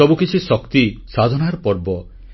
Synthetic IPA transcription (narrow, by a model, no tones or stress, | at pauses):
ɔbukit͡ʃʰisɔkt̪isad̪ʱɔnaɾɔpɔɾbɔ